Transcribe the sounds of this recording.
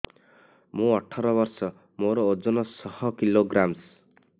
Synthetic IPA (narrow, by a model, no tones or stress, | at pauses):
mũɔʈʰɔɾɔbɔɾsɔ | moɾɔod͡ʒɔnɔsɔhɔkiloɡɾams